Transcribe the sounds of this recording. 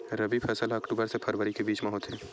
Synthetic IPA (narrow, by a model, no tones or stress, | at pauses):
ɾɐbipʰɛːsəlɐkʈuːbəɾsepʰɐɾʋəɾikebiːt͡ʃmɐɦot̪ɦɛː